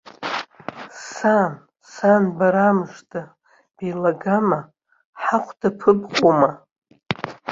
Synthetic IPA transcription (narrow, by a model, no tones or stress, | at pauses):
san | sanbaɾamɨʂtʰʼa | b̥ejlaɡama | ħaqʷʰdapʰɨbqʷʼoma